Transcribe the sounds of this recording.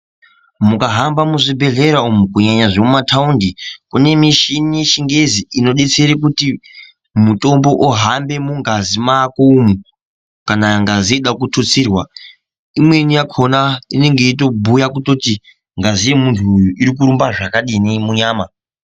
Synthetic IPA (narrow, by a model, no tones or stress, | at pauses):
mukaɦambamuʐibʱe̞ɮe̞ɾaumukuɲaɲaʐemumataundikune̞miʃinije̞t͡ʃiŋɡe̞ziino̞ɗe̞t͡se̞ɾek̬uti | muto̞mbo̞ʔoɦambe̞muŋɡazimakoumu | kanaŋɡazieɗakutʰut͡siːrwa | imwe̞nijakʰo̞naine̞ŋɡe̞ito̞bʱujakuto̞ti | ŋɡazije̞muntʰuːjuiɾikuɾumbaʐakaɗinimuɲaːma